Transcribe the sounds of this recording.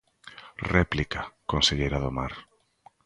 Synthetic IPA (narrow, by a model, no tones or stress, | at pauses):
rɛplikakonseʎejɾaðomaɾ